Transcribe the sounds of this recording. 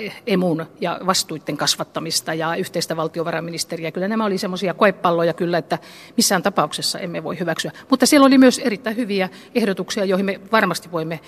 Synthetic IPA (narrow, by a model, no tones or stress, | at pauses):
emunjɑ̰ʋɑst̪uit̪ːeŋkɑsʋɑt̪ːɑmist̪ɑjɑyht̪eist̪æʋɑlt̪ioʋɑrɑminist̪eriækylːænæmæolisemːosiɑkoepːɑlːojɑkylːæet̪ːæ | misːæːnt̪ɑpɑuksesːɑ̰ḛmːeʋo̰ihyʋæksyæmut̪ːɑsielolimyøserit̪ːæihyʋiæ | ehdot̪uksiɑjoihimeʋɑrmɑst̪iʋoimːe